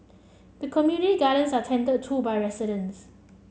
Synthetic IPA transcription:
d̪əkʰɔmjunɪtiɡalə̃nsatʰɛ̃ntəd̚tʰːubajɹɛsɪɾə̃ns

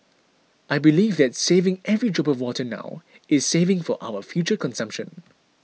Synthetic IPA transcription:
ʔaɪbiliːvðɛtseːvɪ̃ŋʔɛvɹid͡ʒɔpɔvwɔtʰəna̰ʊ | ʔɪz̥seːvɪ̃ŋfɔʔa̰ʊəfjut͡ʃəkɔ̃nsʌ̃mpʃə̰̃n

